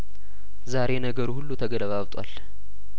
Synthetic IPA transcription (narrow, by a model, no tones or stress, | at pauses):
zaɾe̞nəɡəɾuhulːut̪ʰəɡələβaβt̪ʼwa̰l